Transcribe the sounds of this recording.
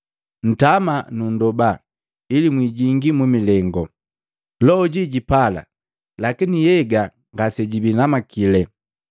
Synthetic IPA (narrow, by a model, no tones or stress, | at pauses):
n̩tamanundɔba | ilimwiɟiŋɡimumilɛŋɡɔ | lɔɟiɟipala̰ | lakinijɛɡa | ŋɡasɛɟibinamakilɛ